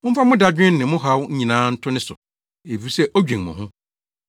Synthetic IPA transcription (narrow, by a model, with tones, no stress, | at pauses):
mʊ̃˦fa˦mʊ̃˦da˨d͡ʑᶣɪ̃˦nːɪ̃˨mʊ̃˦ɦa˨˦wɲ̩˦ɲĩ˨nãː˦n̩˦tʰʊ˦nɪ̃˦sʊ̰˨ | e˨fi˨˦˨sɛ˦ʔo˦d͡ʑᶣĩ˨ŋmʊ̰̃˨hʊ̃˦